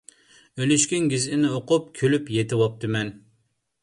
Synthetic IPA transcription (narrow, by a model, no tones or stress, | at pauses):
ølyʃkʲiŋɡʲizɪnɪoqʊp̚kʲʰølypjet̪ʰɪwɑp̚t̪ʰɨmɛn